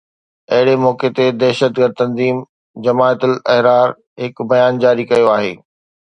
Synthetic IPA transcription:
ɐɦɪɽemɔːket̪ed̪ɛɦʃət̪ɡəɾd̪̚t̪ɐ̃nziːm | d͡ʑɐmaːt̪əlɛɦɾaːɾ | ɦɪkbɐjaːnd͡ʑaːɾikɐjoaːɦḛː

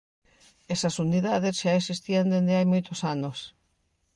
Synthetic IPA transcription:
esɐsuniðaðesʃaesist̪iand̪end̪eajmojt̪osanos

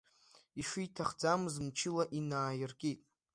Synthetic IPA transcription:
iʂʊjtʰaχd͡zamɨzmt͡ʃʰɪlaʔinaːjɪrkʼitʼ

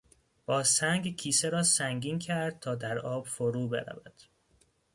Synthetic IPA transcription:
b̥ɒːsæŋɡcʰiːseɾɒːsæŋɟiːncʰæɾd̪̥̚t̪ʰɒːd̪æɾɒːb̥foɾuːbḛɾæ̰væd̪̥

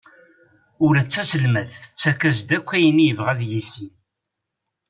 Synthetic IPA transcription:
ʊɾæt͡sːæsəlmæðθə̥t͡sːækːæzd̪ækʷːæjənijəvʁæðjisi

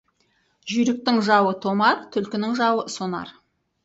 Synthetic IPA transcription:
ʒʏjɾɪk̚t̪ɪŋʒɑwət̪ʰo̞mɑɾt̪ʰʏlkʲɪnɪŋʒɑwəsonɑ̰ɾ

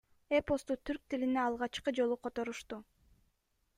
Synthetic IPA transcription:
epost̪ut̪ʰyɾk̚t̪ilineɑlˠʁɑt͡ʃqɯd͡ʒo̞lˠuqʰo̞t̪o̞ɾuʃt̪u

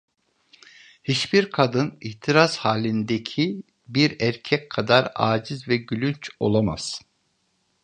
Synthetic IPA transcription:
hit͡ʃbiɾkʰad̪ɯniht̪ʰiɾaz̥haːlʲind̪ecʰi | biɾæɾcʰɛckʰad̪aɾa̰ːd͡ʒizvɛɟylʲynt͡ʃo̞̰lˠama̰z̥

